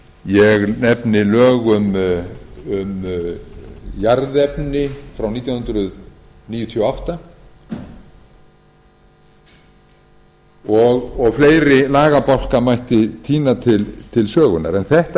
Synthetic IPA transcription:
jɛɣnɛpnɪlœːɣʏm | ʏm | jaɾðɛpnɪfɾawniːt̪jawnhʏnt̪ɾʏð | niːjʏt̪ʰiɔawht̪a | ɔɣɔɣfleːjɾɪlaːɣapawl̥kamajht̪ɪt̪ʰiːnat̪ʰɪlt̪ʰɪlsœːɣʏna̰ɾɛnθɛht̪

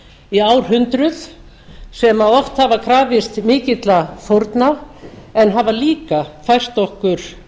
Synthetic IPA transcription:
iaːwɾ̥ɦʏnt̪ɾʏθ | sɛmaɔft̪havakʰɾaːvɪst̪mɪːcɪt̪lafoɾt̪naɛnɦavaliːkafajr̥t̪ɔhkʏɾ̥

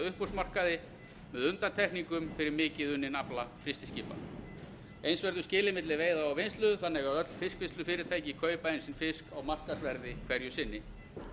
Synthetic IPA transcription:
ʏhpusmar̥kaðɪ | mɛðʏnt̪ant̪ʰɛhkniŋkʏmfɪɾɪɾmɪːcɪðʏnːɪnaplafɾɪst̪ɪscɪːpa̰ | ejnsvɛɾðʏscɪːlɪmɪt̪lɪveːjðaawvɪnst̪lʏðθanːɪɣaðœt̪l̥fɪskvɪnst̪ʏfɪːɾɪ̥t̪ʰaːjcɪkʰœːɥpaejnsɪnfɪskawmar̥kasvɛɾðɪkʰv̥ɛɾjʏsɪnːɪ

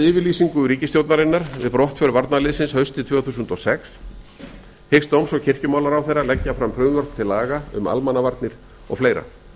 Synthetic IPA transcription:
ɪːvɪliːsiŋkʏɾiːcɪst̪jowt̪naɾɪnːaɾvɪ̰ðpɾɔht̪fœɾvaɾt̪nalɪːðsɪnshœɥst̪ɪt̪ʰvœːθuːsʏnt̪ɔsɛks | hɪkst̪owmsɔcʰɪr̥cʏmaːwlaɾawθejrːalɛcːafɾamfɾʏvɔr̥p̚t̪ʰɪlaːɣaʏ̰ma̰lmanːavaɾt̪nɪɾ̥ | ɔ̰ɣfleːjɾa̰

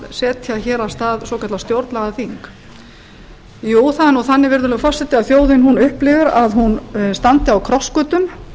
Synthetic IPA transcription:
sɛːt̪çaçɛːɾast̪aːðsɔwkʰaɾt̪last̪jowɾt̪laɣaθiŋk | juːθanɔθanːɪvɪɾðʏlɛɣfɔr̥sɛt̪ɪawθjoːwðɪnɦunʏhplɪvʏɾaðhunst̪ant̪ɪawkʰɾɔskʏːt̪ʏm

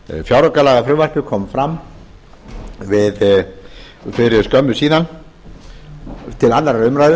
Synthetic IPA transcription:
fjawɾɔkalaːɣafɾʏːvar̥cʏkʰɔːmfɾam | vɪð | fɪɾɪɾskœmːʏsiːðan | t̪ʰɪlanːaɾaɾʏmɾajðʏ

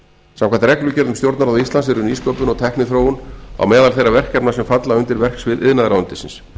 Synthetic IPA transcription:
sãmkʰant̪ɾɛklʏcɛɾðʏmst̪jowɾt̪naɾaðist̪lansɪɾʏniːskowpʏnɔɣt̪ʰɛhknɪθɾoːwʏna̰wmɛːðalθejrːavɛr̥cːɛpnasɛmfat̪laʏnt̪ɪɾvɛr̥ksvɪðʔɪðnaðɾaðʏnt̪ɪsɪ̰ns

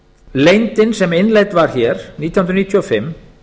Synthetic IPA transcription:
lejnt̪ɪnsɛmɪnlejt̪vaɾ̥çɛːɾ̥nit̪jwnɾniːt̪ʰjɔfɪm

